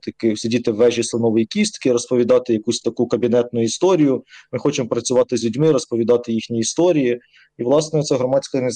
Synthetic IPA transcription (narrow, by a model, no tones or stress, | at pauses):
t̪ɐkɪsʲɪdʲit̪ɪʋːɛʒisɐnɔʋɔjikʲist̪kɪɾɔspɔʋʲid̪ɑt̪ɪjɐkusʲt̪ɐkukɐbʲinɛt̪nʊist̪ɔɾʲijʊmɪxɔt͡ʃɪmɔpɾɐt͡sʲʊʋɑt̪ɪzʲlʲʉdʲmɪɾɔspɔʋʲid̪ɑt̪ɪjixnʲiːst̪ɔɾʲiji | iʋlˠɑsnɛɔt̪sɛɦɾɔmɑt͡sʲkɐne